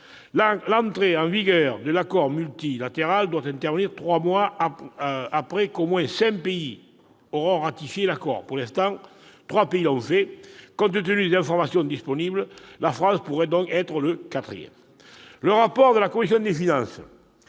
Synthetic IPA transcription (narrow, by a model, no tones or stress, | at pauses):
lɑ̃nt̪χeɑ̃viɡœʁd̪əlakɔʁmylt̪ilat̪eʁald̪wat̪ɛ̃nt̪ɛʁvəniʁt̪χwamwa | apχekomwɛ̃sɛ̃ŋpei | oʁɔ̃ʁat̪ifjelakɔ̰ʁpuʁlɛ̃st̪ɑ̃ŋt̪χwapeilɔ̃fɛkɔ̃nt̪ət̪ənyd̪ezɛ̃fɔʁmasjɔ̃d̪ispɔnibləlafʁɑ̃spuʁɛd̪ɔ̃ŋkɛt̪ʁələkat̪χḭjɛ̰m | ləʁapɔʁd̪əlakɔmisjɔ̃d̪efinɑ̃sə